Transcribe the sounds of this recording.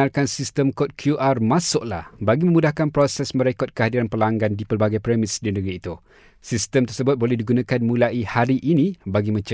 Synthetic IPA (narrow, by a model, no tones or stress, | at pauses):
arkansist̪əmkɔt̪̚kʰjuʔarmãsʊʔla̰hbaɡimə̃mudahkanpɾosɛsmə̃ɾekɔt̪̚kəɦadiɾanpəlaŋɡandipərbaɡajpɾɛmɪsdinəɡɾiːt̪u | sist̪əmt̪ərsəbʊt̪̚bolɛhdiɡunãkanmũlaʔihaɾiʔinĩbaɡimə̃ɲt͡ʃə